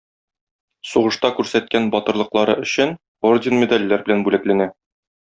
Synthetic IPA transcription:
suʁɤ̆ʃt̪ɑkʉɾsæt̪̚kænbɒt̪ɤ̆ɾlˠɤ̆qlˠɑɾɤɵ̆ɕɘn | ordʲɪnmʲed̪alʲːæɾbɘ̆lænbʉlæklænæ

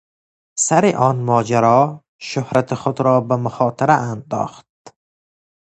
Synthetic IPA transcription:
saɾeʔɒːnmɒːd͡ʒaɾɒː | ʃohɾat̪ʰeχod̪ɾɒːbæmʊχɒːt̪ʰeɾæʔænd̪ɒ̰ːχt̪̚

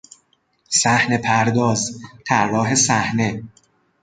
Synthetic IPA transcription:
sæhne̞pʰæɾd̪ɒːzt̪ʰæɾrːɒːɦe̞sæhne̞

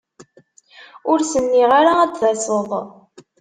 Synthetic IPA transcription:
ʊɾsənːiʁaɾaæd̪θæsˤəðˤ

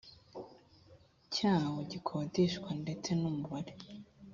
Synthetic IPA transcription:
cʰaːwoɟikʰoziʃkwande̞t͡se̞numuβaɾe

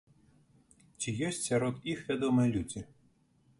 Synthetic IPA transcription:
t͡ʃijɔsʲtʲsʲɐɾɔd̪ixʋʲad̪ɔmɨjlʲud͡zʲi

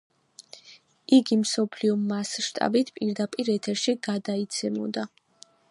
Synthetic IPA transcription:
iɡimsɔpʰliɔmasʃt̪ʼa̰bit̪ʰpʼiɾd̪apʼiɾɛt̪ʰɛɾʃiɡ̥ad̪ait̪sʰɛmɔ̰d̪a

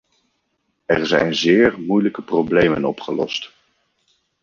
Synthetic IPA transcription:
ɛɹzɛ̰jnzɪːɹmujləkəproblejmənɔpχəlɔ̰st

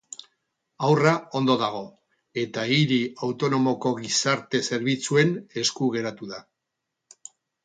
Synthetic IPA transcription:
awrao̞nd̪o̞ðaɣ̞o̞ | e̞t̪aiɾiawt̪o̞no̞mo̞ko̞ɣisaɾt̪e̞se̞ɾβit͡sue̞ne̞skuɣ̞e̞ɾat̪uða

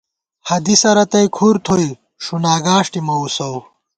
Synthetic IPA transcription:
hɐd̪isɐɾɐt̪ɐjkʰuɾt̪ʰoj | ʂunaːɡaːʂʈimɐusɐw

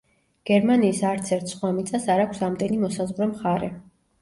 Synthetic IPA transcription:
ɡ̥ɛɾmaniːsaɾt̪sʰɛɾt̪ʰsχwamit̪sʼasaɾakʷʰsamd̪ɛnimɔsazʁɾɛmχaɾɛ

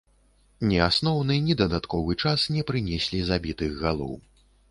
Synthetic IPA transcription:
nʲɛasnɔwnɨnʲid̪ɐd̪at̪kɔvɨt͡ʂasnʲɛpɾɨnʲɛsʲlʲizabʲit̪ɨɣːalˠɔ̰w

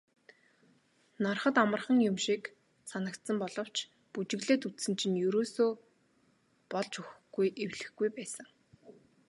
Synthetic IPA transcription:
narχə̆t̪amə̆rχə̆ŋjʊmʃik | sanə̆kt̪sə̆mpɔɮɞ̆w̥t͡ɕʰ | put͡ɕɪ̆ɣɮeːt̪ut̪sɘ̆nt͡ɕʰĭnjɵɾoːsoː | pɔɮt͡ɕɵxɡujʔewɮɘ̆xɡujpæːsə̆ŋ

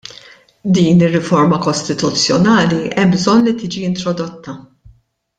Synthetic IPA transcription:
d̪iːnɪrːɪfɔɾmɐkɔst̪ɪt̪ut͡sːjɔnɐːliɛmbzɔnːlit̪iːd͡ʒiɪnt̪ɾɔd̪ɔt̪ːɐ

